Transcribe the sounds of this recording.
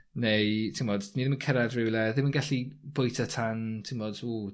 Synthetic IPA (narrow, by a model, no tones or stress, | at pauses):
nejtʰɪmɔdniðɪmənkʰɛɾadrɪwlˠɛðɪmənɡaɬib̥ʊjtʰatʰantʰɪmmɔdsu